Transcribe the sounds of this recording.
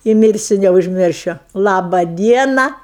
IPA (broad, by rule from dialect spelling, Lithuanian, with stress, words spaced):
ɪ ˈmʲɪrʲsʲʊ nʲɛʊʒʲˈmʲɪrʲʃʲʊ ˈlˠɑːbɐ ˈdʲiɛnɐ